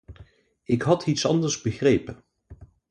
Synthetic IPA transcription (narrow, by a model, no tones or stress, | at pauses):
ɪkɦɑtʰitsɑ̰ndəɹzbəχrejpən